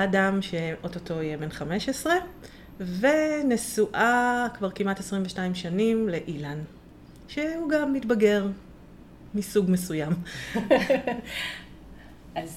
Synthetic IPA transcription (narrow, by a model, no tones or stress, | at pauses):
adamʃeʔototo̞ijebenχame̞ʃesʁe̞ | ve̞nesuʔakvaʁkimatesʁimveʃtaimʃanimleʔilan | ʃeuɡamːitbaɡe̞ʁ | misuɡmesujam | az